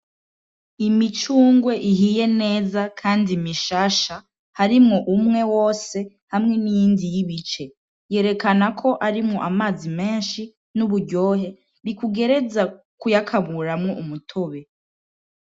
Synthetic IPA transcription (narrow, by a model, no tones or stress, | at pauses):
imit͡ʃuːŋɡwe̞ʔiɦiːje̞ne̞ːzakʰaːndimiʃaːʃa | haɾimŋo̞ʔumŋe̞wo̞ːse̞ | hamŋe̞nijiːndijiβit͡ʃe̞ | je̞ːɾe̞kanakʰo̞ʔaɾimŋo̞ʔamaːzime̞ːnʃi | nuβuɾɟo̞ːɦe̞ | ɾikuɡe̞ɾe̞za | kujakʰaβuɾamŋoʔumutʰo̞βe̞